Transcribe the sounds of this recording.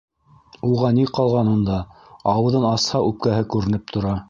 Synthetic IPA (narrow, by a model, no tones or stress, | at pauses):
uʁɑniqɑlˠʁɑnund̪ɑɑwɤ̆ðɤnɑshɑʔʉp̚kæɦɘkʉɾɘ̆nɘp̚t̪ʰŏɾɑ